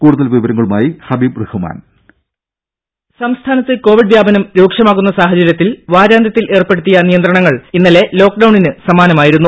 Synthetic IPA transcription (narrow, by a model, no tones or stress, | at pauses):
kuːɽuðɐlʋiʋɐɾɐŋːɐɭumaːjihɐbiːbrɨhuma̰ːn | sɐmst̪ʰaːnɐt̪ːeko̞ːʋiɖʋjaːbɐnɐmɾuːkʂɐmaːɣunːɐsaːɦɐt͡ɕɐɾjɐt̪ːilʋaːɾaːnd̪jɐt̪ːile̞ːrpːe̞ɽut̪ːijɐnijɐnd̪ɾrɐɳɐŋːɐɭinːɐle̞lo̞ːk̚ɖɐwɳinɨsɐmaːnɐmaːjiɾunːu